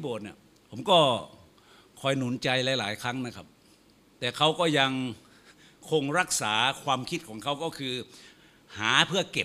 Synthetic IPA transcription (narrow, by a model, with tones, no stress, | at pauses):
i˦boː˨˩t̪̚ni˧˩ | pʰo˩˦mkɔː˥˩ | kʰɔː˧jnu˩˦nt͡ɕa˧jlaː˨˦jlaː˨˩˦jkʰa˦˥˩ŋna˦˥kʰa˦˥˩p̚ | t̪ɛː˨˩kʰa˦˥˩wkɔː˥˩ja˧ŋ | kʰo˧ŋɾa˦˥˩k̚saː˩˦kʰwaː˧mkʰi˦˥t̪̚kʰɔː˩˦ŋkʰa˦˥˩wkɔː˥˩kʰɯː˧ | haː˩˦pʰɯ˥˩ɐke˨˩p̚